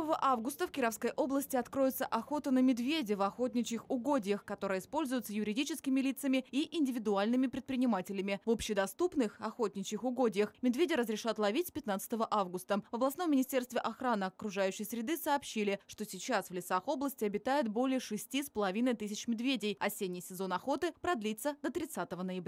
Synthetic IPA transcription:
vəvəʔavɡʊst̪əfkʲɪɾɐfskəjʔo̞blˠəsʲtʲɪɐt̪kɾo̞jɪt̪səʔɐxo̞t̪ənəmʲɪd̪vʲedʲɪvɐxo̞t̪̚ʲnʲɪt͡ɕɪxʊɡo̞dʲɪjəxkɐt̪o̞ɾɨjəɪspo̞lʲzʊjʊt̪səjʊɾʲɪdʲit͡ɕɪskʲɪmʲɪlʲit̪səmʲɪiʔɪnʲdʲɪvʲɪd̪ʊalʲnɨmʲɪpɾʲɪt̪̚pɾʲɪnʲɪmatʲɪlʲɪmʲɪvo̞pɕːɪd̪ɐst̪upnɨxɐxot̪ʲnʲɪt͡ɕɪxʊɡodʲɪjəxmʲɪd̪vʲedʲɪɾəzɾʲɪʂat̪lˠɐvʲitʲpʲɪt̪nat̪sɨ̥t̪əvəʔavɡʊst̪əvəblˠɐsno̞mːʲɪnʲɪsʲtʲe̞rst̪vʲɪʔɐxɾanɨɐkɾʊʐajʉɕːɪjsɾʲɪd̪ɨsəːpɕːilʲɪʂt̪o̞sʲɪt͡ɕasvlʲɪt̪saxo̞blˠəsʲtʲɪɐbʲɪt̪ajɪt̪bo̞lʲɪjəʂɨsʲtʲispəlˠɐvʲinəjt̪ɨsʲɪt͡ɕmʲɪd̪vʲedʲɪjɐsʲenʲːɪjsʲɪzo̞nɐxo̞t̪ɨpɾɐd̪lʲit̪səd̪ət̪ɾʲɪt̪sat̪əvənəjɪbɾʲ

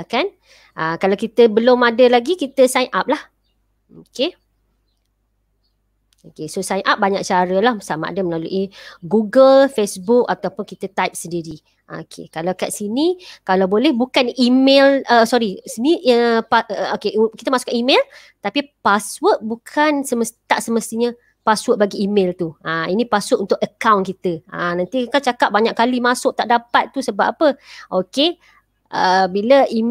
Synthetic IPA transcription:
kan | ʔakalawkit̪əbəlʊmadəlaɡikit̪əsajnʔap̚lah | oke | okesosajnʔap̚baɲak̚t͡ʃaɾəlahsama̰ʔa̰dəməlalṵʔiɡuɡəlfesbuk̚at̪awpʊnkit̪ət̪ajp̚səndiɾi | ʔa̰kʰḛkalawkaʔsinikalawbolɛhbukanimeləsɔɾisəniʔəpaəokeʔkit̪əmasʊkaʔimel | t̪apipaswəʔ̚bukʰansəməst̪aʔsəməst̪iɲə | paswəʔ̚baɡiːmelt̪uainĩpasʊʔunt̪ʊkəkawnkit̪əãnant̪ikant͡ʃakap̚baɲaʔkːalimasʊʔ̚t̪aʔdapat̪ːusəbapapəʔoke | ʔəbiləi

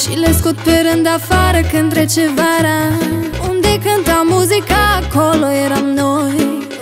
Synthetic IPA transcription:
ʃileskut̪̚peɾɨnd̪afaɾəkɨnt̪ɾet͡ʃevaɾaund̪ekɨnt̪amuzikaːkolojeɾamnoj

